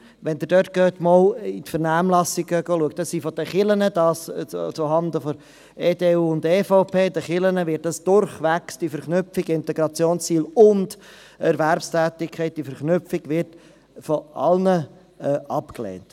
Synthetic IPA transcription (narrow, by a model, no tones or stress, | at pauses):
ʋɛnd̥̪əɾd̥œt̚ɡ̥øːtmɔlit̪fəɾnæːmlɑsɪɡ̥əɡ̥oːluək̚td̥ɑssifɔd̥̪əχɪlənəd̪ɑːst͡suɦɑnd̪əfɔ | eːdeːuːʊnd̪efɔʊpʰeːd̪əχɪlənəʋɪt̚dɑsd̥ʊɾχʋæksd̥ifəɾχnʏpfiɡɪnt̪ɛɡɾɑt͡sjoːnst͡siːlʊnd | ɛɾʋæɾpstʰæːtɪkʰːɛɪt̚d̥ifəɾχnʏpfiɡ̥ʋɪɾt | fɔʔɑ̰lnə | ɛɑpklḛːnt